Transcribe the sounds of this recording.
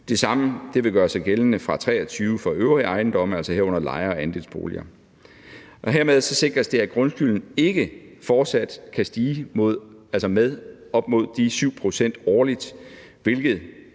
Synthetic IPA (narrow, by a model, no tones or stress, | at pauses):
d̥e̝sɑ̈məd̥e̝ʋe̝ɡ̥ɶːɐsɑ̈ɪɡ̥elənəfʁɑ̈t͡sʰʁɛ̰ːɒt͡sʰyːʊfɑ̈øʊʁiɑ̈ɪnd̥ɒ̽m̰æl̰sɒɦeɐ̰ɔ̽n̰ɐlɑ̈ɪɐɒ̽ænd̥e̝lsb̥o̝̰ːliɐ | ʔɒ̽ɦeɐ̰með̞ˠsɒ̽se̝ɡ̥ʁɐsd̥e̝æɡ̥ʁɔ̽nsɡ̥yln̩e̝ɡ̥əfɒːd̥sæd̥kʰæsd̥iːmo̝ð̰ˠælsɒmeð̞ˠ | ɒ̽b̥̚mo̝ð̞̰ˠd̥isyʊ̰pʰʁo̝sen̰d̥ɒːlid̥ | ʋe̝lɡ̥ð̞̩ˠ